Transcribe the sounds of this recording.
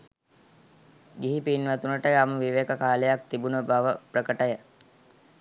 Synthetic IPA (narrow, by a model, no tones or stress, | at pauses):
ɡiɦipinʋat̪unəʈəaməʋiʋekəkaːlejak̚t̪ibunəbaʋəprəkəʈəjə